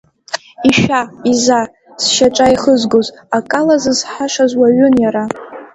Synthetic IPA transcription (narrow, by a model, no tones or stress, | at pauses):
iʃʷᶣaiza | sʃaʈ͡ʂʼaiχəzɡozakʼalazɨzħaʂazwaɥʊnjaɾa